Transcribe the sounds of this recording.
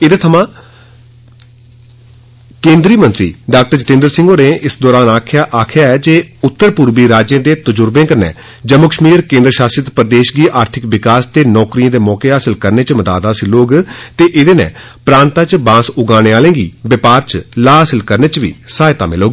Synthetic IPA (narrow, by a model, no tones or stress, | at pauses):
ɪd̪eːt̪ʰəmãː | kẽːnd̪ɾiːmə̃nt̪ɾḭːɖaːk̚ʈəɾd͡ʒət̪ẽːnd̪əɾsɪ̃ŋɡoːneːɪsd̪ɔːɾaːnaːkʰjaːʔaːkʰɪjaːɛːd͡ʒeːʊt̪ːəɾpʊːɾbiːɾaːd͡ʒẽːd̪eːt̪əd͡ʒʊɾbẽːkəɾnɛ̰̃ː | d͡ʒəmːʊkəʃmiːɾkẽːnd̪ɾəʃaːsɾɪt̪pɾd̪eːʃɡiːʔaːɾt̪ʰɪkʋɪkaːst̪eːnɔːkɾijãːd̪eːmɔːkeːɦaːsəlkəɾneːt͡ʃməd̪aːd̪aːsiloːɡt̪eːʔɪd̪eːnɛ̰̃ːpɾãːnt̪ãːt͡ʃbãːsʊɡaːneːaːlẽːɡḭːbɪpaːɾt͡ʃlaːaːsəlkəɾneːt͡ʃʋḭːsaːɪt̪a̰ːmɪ̰loːɡiː